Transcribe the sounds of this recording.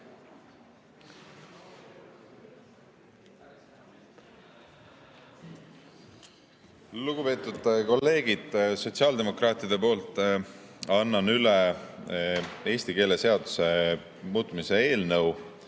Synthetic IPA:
luɡ̥upe̞ːt̪ːˑud̪̥ko̞lːe̞ːɡ̥id̪̥so̞t̪ʲsiɑːld̪e̞mo̞krɑːt̪ˑid̪̥e̞po̞ːlt̪ːˑ | ɑnːɑnyle | e̞ːsʲt̪ike̞ːleseɑd̪̥u̥se̞ | muːt̪ˑmise̞e̞ːlnɤw

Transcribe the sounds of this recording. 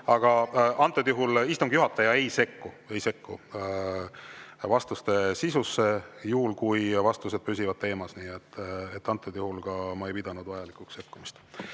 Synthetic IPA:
ɑɡ̥ɑʔɑnt̪ːˑod̪̥juɦulist̪umɡ̥juɦɑt̪ˑːɑjɑe̞jse̞kːu | e̞jse̞kːu | vɑst̪ust̪e̞sisusːe̞juhulkujvɑst̪use̞d̪̥̚pysʲivɑd̪̥̚t̪e̞ːmɑsniːet̪ːet̪ːˑɑnt̪ːˑed̪̥juhulɡ̥ɑmɑejpid̪̥ɑnud̪̥vɑjɑlikˑukse̞kːumist̪

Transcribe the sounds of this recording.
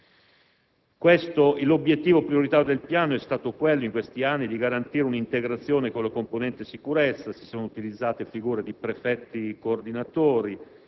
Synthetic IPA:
kwest̪oilobjet̪ːiːvopɾioɾit̪aːɾjod̪elpjaːnoɛst̪aːt̪okwelːoiŋkwest̪ianːid̪iɡaɾant̪iːɾeunint̪eɡɾat̪sːjoːnekonlakomponɛnt̪esikuɾet̪sːasi̥soːnout̪ilid̪zːaːt̪efiɡuːɾed̪ipɾefɛt̪ːikoːrd̪inat̪oːɾi

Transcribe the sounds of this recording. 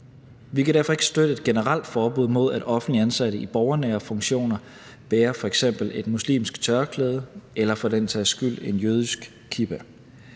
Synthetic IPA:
ʋikʰæɾ̥æɐfɒ̽e̝ɡ̥ə̥sd̥ød̥əe̝d̥̚ɡ̥e̝nəʁal̰d̥fɒːb̥uð̰ˠmo̝ð̞̰ˠæd̥ɒ̽fn̩liænsæɾ̥əib̥ɒʊɐnɛːɐfɔ̽ŋɕo̝̰ːnɐ | b̥eːɐfɒ̽eɡ̥sem̰b̥l̩e̝d̥muslḭːmsɡ̥t͡sʰɶɐkʰleːð̞ˠəelɐfɒ̽dent͡sʰɛːsɡ̥yl̰e̝njøð̞ˠisɡ̥ | kʰib̥æ

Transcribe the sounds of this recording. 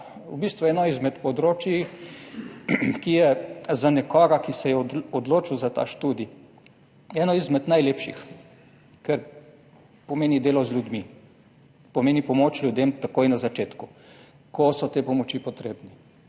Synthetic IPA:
ubist̪ʋuɛːnɔizmɛt̪pɔd̪ɾoːt͡ʃi | kijɛzanɛkɔɡakisɛjɛɔd̪loːt͡ʃiwzat̪a̰ːʃt̪uːd̪i | ɛːnɔizmɛd̪najleːpʃḭx | kɛɾ | pɔmeːnid̪eːlɔzlʲjud̪mi | pɔmeːnipɔmoːt͡ʃlʲjud̪emt̪akoːjnazat͡ʃeːt̪ku | kɔsɔt̪eːpɔmɔt͡ʃipɔt̪ɾeːbni

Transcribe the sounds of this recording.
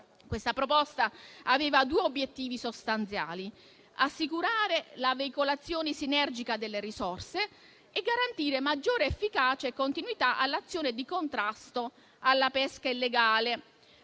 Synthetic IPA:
kwest̪apɾopɔst̪aaveːvad̪uːeobːjet̪ːiːvisost̪ant̪sja̰ːli | asːikuɾaːɾelaveikolat̪sːjoːnesinɛrd͡ʒikad̪elːeɾisorseː | ɡːaɾant̪iːɾemad͡ʒːoːɾeːfːikaːt͡ʃaekːont̪inwit̪aʔalːat̪sːjoːned̪ikont̪ɾast̪o | alːapɛskailːeɡaːle

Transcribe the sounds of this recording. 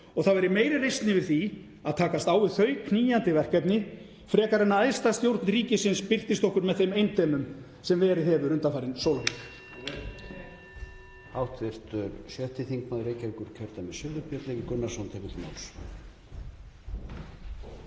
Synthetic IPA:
ɔɣθavɛɾɪmeːjɾɪrejst̪nɪvɪɾ̥θi | aðt̪ʰaːkast̪aːwvɪðθœɥkʰniːjant̪ɪvɛr̥kɛpnɪ | fɾɛːkaɾɛnːaajst̪ast̪jowɾt̪nɾiːcɪsɪnspɪl̥t̪ɪst̪ɔhkʏɾmɛðθejmejnt̪ʰɛːmʏm | sɛmvɛːɾɪhɛvʏɾʏnt̪afaːɾɪnsowlanɪ | awht̪vɪɾ̥t̪ʏɾsjɛht̪ɪθiŋkmaðɾejcaŋkʏɾcʰɛɾt̪amɛsjœːðʏpjœt̪lɛcɪkʏnːasɔnt̪ʰɛpɪt̪ma̰wls

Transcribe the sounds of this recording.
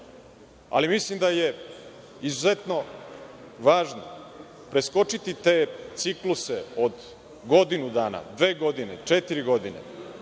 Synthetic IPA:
a̰limislimd̪aje̞ | izuze̞t̪no̞ | ʋaːʒno̰ | pɾe̞sko̞t͡ʂit̪it̪e̞ːt̪sikluseod̪ | ɡo̞d̪inud̪aːna̰d̪ʋe̞ːɡo̞d̪inet͡ʂet̪iɾiɡo̞d̪inḛ

